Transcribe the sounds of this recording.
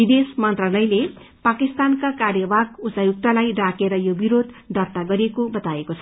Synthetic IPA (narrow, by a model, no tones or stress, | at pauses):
bid̪esmʌnt̪ralʌjle | pakist̪ankakarjʌbʱaɡut͡sajuk̚t̪alajrakeɾʌjobiɾod̪ | d̪ʱʌrt̪aɡʌɾekobʌt̪aekot͡sʰʌ